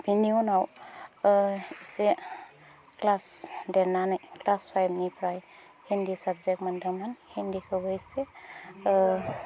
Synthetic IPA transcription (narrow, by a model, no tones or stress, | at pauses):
bʱiniɔnaw | ise | klasdɛɾnanɯjklaspʰajbnipʰɾaj | hendisab̚zek̚mandamanhendikʰɯbɯise